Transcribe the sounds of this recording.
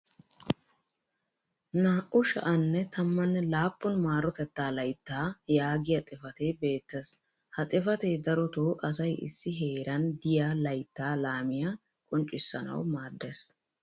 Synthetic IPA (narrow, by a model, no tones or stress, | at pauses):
naːʔʊʃɐ̰ʔɐnːɛt̪ʰɐmːɐnːɛlaːpːɔnmaːɾɔt̪ɛt̪ːaːlɐjt̪ːaːjaːɡɪjɐt̪ʼɪfɐt̪eːbe̞ːt̪ːes | hɐt̪ʼɪfɐt̪eːd̪ɐɾɔt̪oːʔɐsɐjʔɪ̰sːɪɦeːɾɐnd̪ɪjaːlɐjt̪ːaːlaːmɪja | kʼɔnt͡ʃʼːɪsːɐnɐ̰wmaːd̪ːes